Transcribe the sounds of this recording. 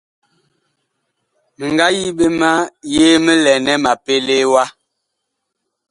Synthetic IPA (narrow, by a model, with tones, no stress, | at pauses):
mə˨ŋɡa˦ji˦ɓe˦ma˦je˦mə˦lɛ˨nɛ˦ma˨pe˦le˦wa˦